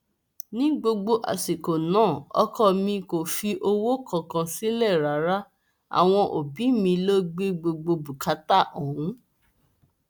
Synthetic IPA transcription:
nĩ˦ɡ͡bo˧ɡ͡bo˧ʔa̰˨si˨ko˨nãː˦˨ɔ̰˧kɔ˦˨mĩ˧ko˨fi˧ʔo˧wo˦kʰɔ̃˦˨kã˧si˦lɛ˦˨ɾa˨˦ɾa˦ | a̰˨w̃ɔ̃˧ʔo̰˨bi˨˦mĩ˧lo˦ɡ͡be˦ɡ͡bo˧ɡ͡bo˧bu˨ka˨˦ta˦˨ʔɔ˨wũ˨˦

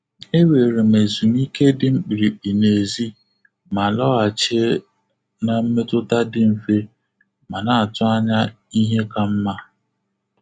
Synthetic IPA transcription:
e˦we˨ɾe˨m̩e˨zu˨m˦i˦ke˦dɪ˦ŋ͡m̩˦k͡pi˨ɾi˨k͡pi˨ne˨zi˦ | ma˨lɔ˦a˨t͡ʃe˦ | na˨m̩˦me˦tʊ˦ta˦dɪ˦m̩˨fe˦ | ma˨na˨a˨tʊ˦a˦ɲa˦ | i˦ɦe˦ka˦m̩˦ma˦

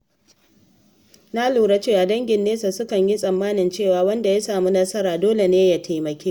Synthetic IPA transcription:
na˦luː˨ɽɐ˦t͡ʃeː˦ʔa˨dɐ˦ŋɡʲɪ˨nːeː˦sa˨sʊ˦kɐ˨ɲji˦sʼɐ˨mːaː˦nɪ˨nt͡ʃeː˦˨waː˨wɐ˦nda˨ja˦saː˨mu˦nɐ˦sɐ˦ɾaː˨doː˦le˨neː˦ja˨tʰa˨jmɐ˨kʲeː˦

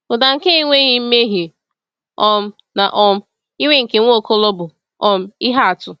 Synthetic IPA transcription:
ʊ˨da˨ŋ̩˨ke˦i˦ŋʷe˦ɣi˦m̩˦me˦ɦi˨ | ɔ˦m̩˦ | na˨ʔɔ˦m̩˦ | i˦ŋʷe˦ŋ̩˨ke˨ŋʷo˦˨ko˦lo˦bʊ˨ | ɔ˦m̩˦i˦ɦa˦a˨tʊ˨

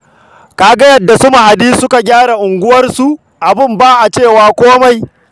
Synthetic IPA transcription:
kaː˨ɡa˦jɐ˦dːa˨sʊ˦ma˨ha˨diː˦sʊ˦ka˨ɡʲaː˦ɽa˨ʔʊ˨ŋɡʷʊ˦wɐ˦rsu˨ʔ | ʔa˨bɪ˦mbaː˦ʔa˨t͡ʃeː˦˨waː˦kʷoː˦ma˨j

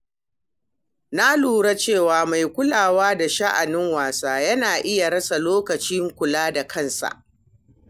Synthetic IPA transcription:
na˦luː˨ɽa˦t͡ʃeː˦˨waː˨ma˨jkʷʊ˦laː˨waː˦da˨ʃa˦ʔa˨nɪ˦ŋwaː˨saː˦jɐ˦naː˨ʔɪ˦ja˨ɽɐ˦sa˨loː˦kɐ˨t͡ʃiː˦ŋkʷʊ˨laː˦da˨kʰɐ˦nsa̰˨ʔ

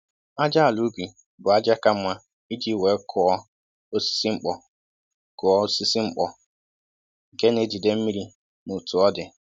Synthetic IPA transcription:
a˦d͡ʒa˦a˨lu˦bi˨ | bʊ˨a˦d͡ʒa˦ka˦mʷa˦ | i˦d͡ʒi˦˨we˨˦kʰʊ˨ɔ˦ | o˦si̥˦si˦ŋ͡m̩˦k͡pɔ˨ | kʊ˨ɔ˦si˦si˦ŋ͡m̩˦k͡pɔ˨ | ŋ̩˨ke˦ne˦d͡ʒi˨de˦m̩˦mi˦ɾi˦ | mu˨tu˨ɔ˦dɪ˨

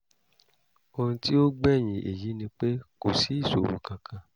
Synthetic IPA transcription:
o˧ɾũ˧ti˦o˦ɡ͡bɛ˦˨j̃ĩ˨ʔḛ˨ji˨˦nĩ˧k͡pe˦ko˨si˨˦i˦˨so̰˨wṵ˨kã˧kʰã˧

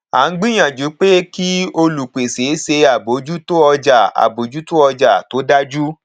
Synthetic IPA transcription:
a̰˨˦n̩˦ɡ͡bĩ˦j̃ã˨d͡ʒu˨˦k͡pe˦ki˦o˧lu˨k͡pe˨se˨˦se˧a˨bo˨˦d͡ʒu˦to˦ɔ˧d͡ʒa˨a̰˨bo˨˦d͡ʒu˦to˦ɔ˧d͡ʒa˦˨to˨˦da˦d͡ʒu˦

